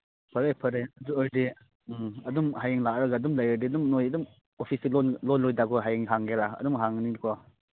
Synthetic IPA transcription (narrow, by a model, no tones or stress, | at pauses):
pʰɐɾejpʰɐɾejɐduojdi | ɐdumhajeŋlaʔɾɐɡaɐdumlajadiɐdumnojɐdum | opʰisilɔnlɔnlɔjdaɡɔɦajeŋɦaŋɡeɾaɐ̰dumɦaŋnikʰɔ